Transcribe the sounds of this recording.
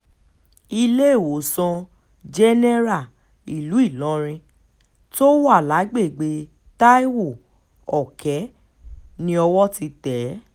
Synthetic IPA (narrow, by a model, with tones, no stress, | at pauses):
i˧le˦e˦˨wo˨sɔ̃˧ | d͡ʒɛ˦nɛ˦ɾa˦˨ | i˨lu˨˦i˦˨lɔ̃˨˦ɾ̃ĩ˧ | to˦wa˦˨la˨˦ɡ͡be˦˨ɡ͡be˨˧ | ta˦i˦wo˦˨ | ɔ˨kɛ˨˦ | nĩ˧ɔ˧wɔ˦ti˧tɛ˨˦